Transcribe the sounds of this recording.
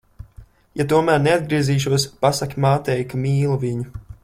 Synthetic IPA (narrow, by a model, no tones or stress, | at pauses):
jat̪uɔmæːɾnead̪̚ɡɾiɛziːʃ̬uɔspasakmaːt̪ɛjkamiːlˠuviɲu